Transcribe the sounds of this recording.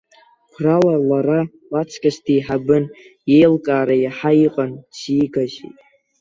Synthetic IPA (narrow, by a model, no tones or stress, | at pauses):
kʷʰralalaɾa | lat͡ʃʷʰkʰʼaʃtʰiːħabɨn | jejlkʼaːɾajaħaiqʼant͡ʃʰiːɡaʒḭtʼ